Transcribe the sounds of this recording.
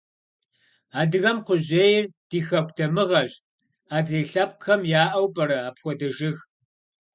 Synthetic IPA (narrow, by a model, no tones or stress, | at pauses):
aːdɨɣɐmqʷʊʑeːjɪrd̥iːxɐkʷʰʼdʰɐmɨʁɐɕ | aːdriːɬɐp̚ʼxɐmjaːʔɐwpʼɐɾɐaːpxʷɔdɐʒɪx